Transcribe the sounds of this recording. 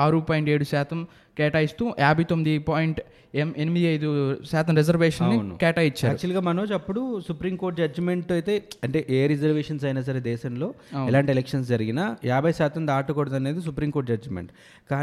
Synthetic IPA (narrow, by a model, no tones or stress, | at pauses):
aːɾupaːjiɳʈe̞ːɽusaːt̪ʰɐm | keːʈɐjist̪uːjaːbʱɐjt̪omːid̪ipaːjiɳʈ | enimid̪iɐjd̪usaːt̪ɐmɾed͡ʒɐɾʋeːʂɐnːinṵkɛːʈɐjit͡ʃːaːɾut͡ʃuɐlɡaːmɐnoːd͡ʒɐpːuɽusupɾiːmkoːɾʈ̚d͡ʒɐd͡ʒmeɳʈɐjt̪e̞ːɐɳʈe̞ʔeːɾid͡ʒɐɾʋeːʂɐnsɐjnaːs̬ɐɾed̪ɛːʃɐmlo̞ːɛlaːɳʈielekʂɐns̬d͡ʒɐɾiɡinɐjaːbʱɐjsaːt̪ɐmd̪aːʈukoɽɐd̪ɐne̞ːd̪is̬upɾiːmkoːʈ̚d͡ʒɐd͡ʒmḛɳʈ | kaː